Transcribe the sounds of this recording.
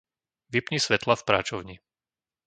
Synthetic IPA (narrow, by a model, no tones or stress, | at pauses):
ʋipɲisʋɛt̪lafpɾa̰ːt͡ʃɔʊɲi